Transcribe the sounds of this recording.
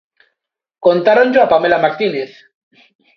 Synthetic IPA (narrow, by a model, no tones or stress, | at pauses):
kont̪aɾond͡ʒoapamelamaɾt̪ineθ